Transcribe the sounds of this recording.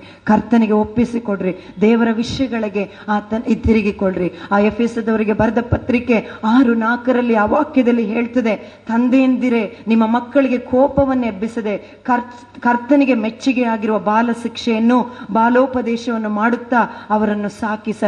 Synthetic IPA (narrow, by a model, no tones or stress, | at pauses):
kɐɾt̪ɐniɡe̞opːisikoɭɾi | d̪ɛːʋɐɾɐʋiʂjɐɡɐɭiɡe̞ | aːt̪ɐit̪iɾiɡikoɭɾiaːepʰesɐd̪ɐʋɐɾiɡe̞bɐɾɐd̪ɐpɐt̪ɾike̞aːɾunaːkɐɾɐlːiɐʋaːkjɐd̪ɐlːiɦeːɭt̪ɐd̪e̞ | t̪ɐnd̪eend̪iɾe̞nimːɐmɐkːɐɭiɡe̞kʰɔːpɐʋɐnːuebisɐd̪e̞ | kɐ | kɐɾt̪ɐniɡe̞met͡ʃːiɡeaːɡiɾuʋɐbaːlɐʃikʂɛjɐnːubaːloːpɐd̪ɛːʃɐʋɐnːumaːɽut̪ːaːɐʋɐɾɐnːusaːkisɐ